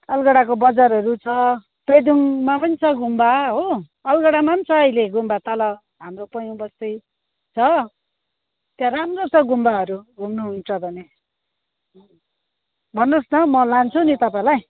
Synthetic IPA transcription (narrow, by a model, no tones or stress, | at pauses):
ʌlɡʌɽakobʌd͡zaɾʌɾut͡sʰʌ | pred̪uŋmapʌnit͡sʰʌɡʱumbaɦo | ʌlɡʌɽamant͡sʰʌʌjleɡʱumbat̪ʌlʌ | ɦamropʌjõbʌst̪ʌj | t͡sʰʌ | t̪jaramrot͡sʰʌɡʱumbaɦʌɾuɡʱumnuɦunt͡sʰʌbʱʌne | bʱʌnːosnʌmʌlant͡sʰunit̪ʌpãĩlaj